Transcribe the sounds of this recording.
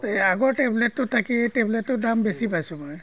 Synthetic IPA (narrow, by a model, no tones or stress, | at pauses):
aɡɔɹʈebletːʊtʰakiejtebletːʊdambesipajsʊ̃mɔj